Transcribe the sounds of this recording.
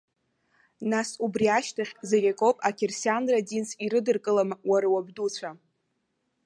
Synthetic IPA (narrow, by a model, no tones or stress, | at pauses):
nasubriaʃtʰaχʲzeɡʲakʼo̞pʼakʲʰersjandradinsʰiɾɨdɨrkʼɨlamawaɾawabdut͡sʷʰa